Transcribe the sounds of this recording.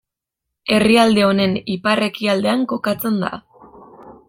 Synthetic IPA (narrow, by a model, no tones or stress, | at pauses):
e̞riald̪e̞o̞ne̞nipare̞kiald̪e̞aŋko̞kat͡se̞nd̪a̰